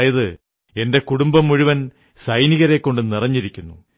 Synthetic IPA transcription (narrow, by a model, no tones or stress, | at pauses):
jɐðɨ | e̞nde̞kuɽumbɐmuɻuʋɐn | sɐjniɣɐɾe̞kːo̞ɳɖɨnirɐɲːiɾikʲːunːṵ